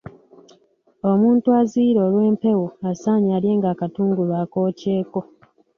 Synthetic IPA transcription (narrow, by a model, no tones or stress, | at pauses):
o̞muːntuaziːɾo̞ːlwe̞ːmpe̞wuasaːɲaːlje̞ːŋɡaːkatuːŋɡulwaːko̞ːce̞ːko̞